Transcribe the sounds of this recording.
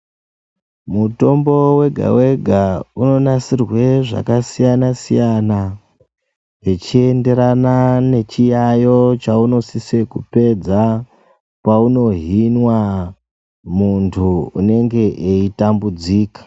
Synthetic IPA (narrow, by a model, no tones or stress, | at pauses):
muto̞mbo̞we̞ɡʱa̰we̞ɡʱauno̞nasirwe̞ʐa̰kasijanasijana | ɦet͡ʃie̞nde̞ɾanane̞t͡ʃijajo̞t͡ʃauno̞sise̞kupe̞d͡za | pauno̞ɦinwa | muntʰuune̞ŋɡe̞ʔeitambud͡ziːkḁ